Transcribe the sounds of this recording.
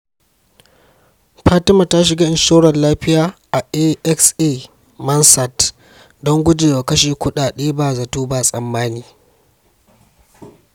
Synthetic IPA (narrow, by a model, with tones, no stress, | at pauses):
ɸaː˦tɪ˦mɐ˨ta˦ʃɪ˨ɡa˦ʔɪ˨ʃoː˦ɽɐ˨nlaː˦ɸɪ˦jaː˨ʔa˨ʔe˦ʔɛ˦kseː˦ | mɐ˦nsa˨t | dɔ˦ŋɡʷʊ˦d͡ʒeː˨wa˨kɐ˦ʃeː˨kʷʊ˦ɗaː˨ɗeː˦baː˨za˨tuː˦ba˦˨sʼɐ˨mːaː˦niː˨